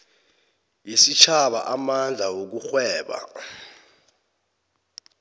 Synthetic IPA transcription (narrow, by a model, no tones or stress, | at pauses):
jesit͡ʃʰaɓa̰ʔamand͡ɮʱawok̬uxwɛːɓa̰